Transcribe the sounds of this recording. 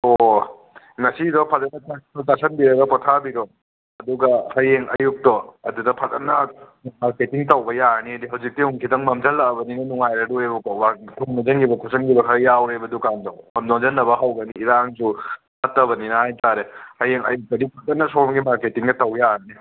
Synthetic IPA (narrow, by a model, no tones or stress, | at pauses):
o | ŋɐsidɔpʰɐtɐnɐtaɐtasɐnbiɾɐɡɐpɔtʰabiɾɔ | ɐduɡɐhɐjeŋɐ̰juk̚tɔɐdudɐpʰɐtɐnɐmaɾketiŋtɐwbɐjaniɐdiɦɐwd͡ʒik̚tihuŋkʰidɐŋmɐmd͡ʒɐlːɐːbɐninɐnuŋajɾɐduebukɐwbatʰoŋnɔzɐnɡibɐkʰusɐnɡibɐkʰɐɾjawɾebɐdukandɔɐmdoŋd͡ʒɐnːɐβɐɦɐwbɐniːɾaŋsu | hɐtːɐβɐninɐhajtaɾehɐjeŋɐ̰juk̚tɐdipʰɐtɐnːɐsoɾmɡimaɾketiŋdɐtɐwjani